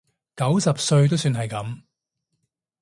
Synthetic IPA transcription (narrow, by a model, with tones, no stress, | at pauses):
kɐ˨˥wsɐ˨p̚sɵ˧ɥt̪o˥wsyː˧nɦɐ˨˩jkɐ˨˥m